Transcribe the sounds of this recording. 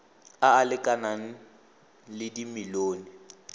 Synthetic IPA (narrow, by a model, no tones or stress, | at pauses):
aːlɪkʼanaŋ̩ | lɪdimɪloːnɪ